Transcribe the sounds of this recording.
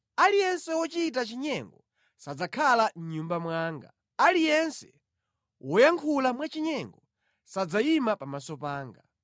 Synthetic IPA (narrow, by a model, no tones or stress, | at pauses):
alijɛnsɛwɔt͡ʃit̬at͡ʃiɲɛŋɡɔ | sad͡zakʰalam̩ɲumbamwaːŋɡa̰ | alijɛnsɛ̰ | wʔɔjaŋkʰulamwat͡ʃiɲɛŋɡɔ | sad͡zaimapamasɔpaːŋɡa